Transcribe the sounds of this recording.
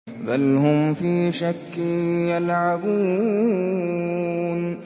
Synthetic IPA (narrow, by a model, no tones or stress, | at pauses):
balhʊmfiːʃakːjalʕabuː | n